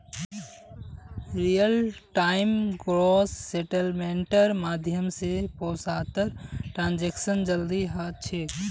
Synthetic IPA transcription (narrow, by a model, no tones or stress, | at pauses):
ɾijəlʈaːɪmɡɾɔːsːeːʈəlmeɳʈəɾmaːd̪ʱjəmsepoːsaːt̪əɾʈɾãːnd͡ʒeːksənd͡ʒəld̪iɦat͡ʃʰe